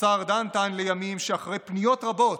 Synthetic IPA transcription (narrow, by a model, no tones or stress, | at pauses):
saʁd̪ant̪anlejamimʃeaχʁejpnijo̞t̪ʁabo̞t̪